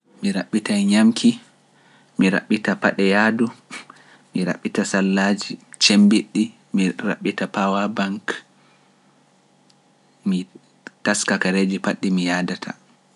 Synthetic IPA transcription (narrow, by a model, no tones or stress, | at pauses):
miɾaɓːitajɲamkʰi | miɾa̰ɓːitapaɗɛjaːdu | miɾa̰ɓːitasalːad͡ʒit͡ʃembiɗːi | miɾa̰ɓːitapawabaŋk | mi | taskakaɾed͡ʒipaɗːimijadatʰa̰